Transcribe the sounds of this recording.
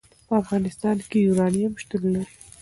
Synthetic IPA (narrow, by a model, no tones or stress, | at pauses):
pəafɣɑnɪst̪ɑnkejunɑnijamʃt̪əllaɾi